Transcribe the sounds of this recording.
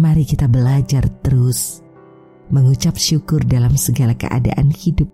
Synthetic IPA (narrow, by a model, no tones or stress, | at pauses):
maɾikit̪abəlad͡ʒart̪əɾʊs | məŋut͡ʃap̚ʃukʊrdalamsəɡalakə̰ʔa̰da̰ʔa̰nhidʊp̚